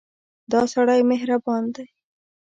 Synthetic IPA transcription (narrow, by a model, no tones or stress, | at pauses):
d̪ɑsaɽajmeɦɾabɑnd̪aj